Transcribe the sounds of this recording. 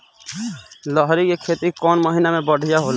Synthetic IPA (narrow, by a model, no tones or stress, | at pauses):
ləɦɾikekʰet̪ikɔːnməɦinamẽbəɽ̤ʱijaɦol